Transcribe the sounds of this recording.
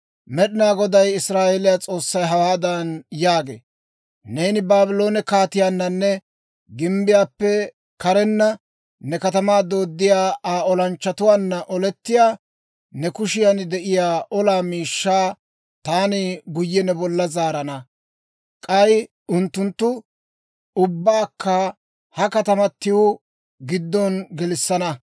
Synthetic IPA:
mɛɗɪnaːɡɔd̪ɐjɪsɾaːʔeːlɪjat͡sʼo̞ːsːɐjɦɐwaːd̪ɐnjaːɡḛː | ne̞ːnɪbaːbɪlo̞ːnɛkaːt̪ɪjaːnːɐnːɛ | ɡɪmbɪjaːpːɛ | kɐɾɛnːɐ | nɛkɐt̪ɐmaːd̪o̞ːd̪ːɪjaːaːɔlɐnt͡ʃːɐt̪ʊwaːnːɐʔɔlɛt̪ːɪjaː | nɛkʊʃɪjanɪd̪ɛʔɪjaːʔɔlaːmiːʃːaː | t̪aːnɪɡʊjːɛnɛbɔlːɐzaːɾɐnɐ | kʼɐj | ʊnt̪ːʊnt̪ːʊ | ʊbːaːkːɐ | hɐkɐt̪ɐmɐt̪ːɪwʊ | ɡɪd̪ːɔnɡɛlɪsːɐnɐ

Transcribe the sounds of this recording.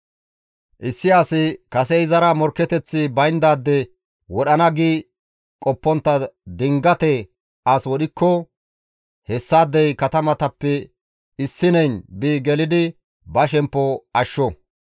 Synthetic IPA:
ʔɪsːɪasɪkɐsɛɪzɐɾɐmɔɾkːɛt̪ɛt͡sːɪbɐjnd̪aːd̪ːɛ | wɔɗɐnɐɡiː | kʼɔpːɔnt̪ːɐd̪ɪŋɡɐt̪ɛ | aswɔɗɪkːɔ | hɛsːaːd̪ːɛjkɐt̪ɐmɐt̪ɐpːɛ | ɪsːɪnɛjnbiːɡɛlɪd̪ɪ | bɐʃ̬ɛmpːɔɐʃːɔ

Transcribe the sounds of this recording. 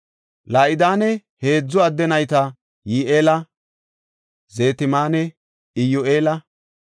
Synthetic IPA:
laːʔɪd̪aːnɛhe̞ːd͡zːɔɐd̪ːɛnɐjt̪ɐ | jiːʔeːlɐ | ze̞ːt̪ɪmaːnɛ | ɪjʊʔeːlɐ

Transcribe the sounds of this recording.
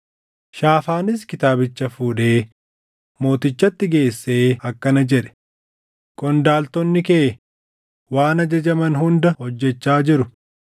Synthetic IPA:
ʃaːfaːnɪs̬kɪt̪aːbɪt͡ʃːɐfuːᶑe̞ː | mo̞ːt̪ɪt͡ʃːɐt̪ːɪɡe̞ːsːe̞ːɐkːɐnɐd͡ʒɛᶑɛ̥ | kʼɔnd̪aːlt̪ɔnːɪkeː | waːnɐd͡ʒɐd͡ʒɐmɐnɦʊnd̪ɐhɔd͡ʒːɛt͡ʃːaːd͡ʒɪɾʊ

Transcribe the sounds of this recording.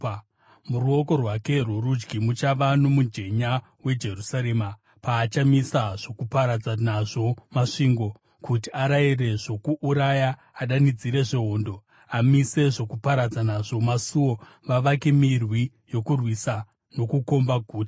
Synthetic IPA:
muruo̞ko̞rwake̞rurud͡ʒɡʱimut͡ʃaʋanomud͡ʒe̞ɲa | we̞d͡ʒe̞rusaɾe̞ːma | paːt͡ʃamisaʐ̥o̞kupaɾad͡zanaʐo̞maʂiːŋɡo̞ | kutiaɾaire̞ʐo̞kuʔuɾajaː | ɗanid͡ziɾe̞ʐeɦoːndo̞ | amise̞ʐo̞kupaɾad͡zanaʐo̞masuo̞ | ʋaʋakemirwi | jo̞kurwisa | no̞kuko̞mbaɡʱuːta

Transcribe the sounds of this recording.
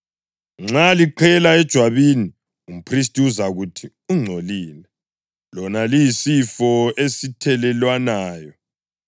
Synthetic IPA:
ŋ͡ǁaliǃʰɛlaɛd̥ʒ̥ʱwaβini | um̩pʰris̬tʼiuzaɣutʰi | uŋ͡ǀʱoliːlɛ | lɔnalijisifɔesitʰɛlɛlwanaːjɔ

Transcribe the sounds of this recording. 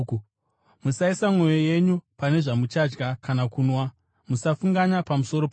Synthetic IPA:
musaisamwo̞joje̞ɲupane̞ʐamut͡ʃad͡ʒɡakanakunwa | musafuŋɡaɲapamuso̞ɾo̞p

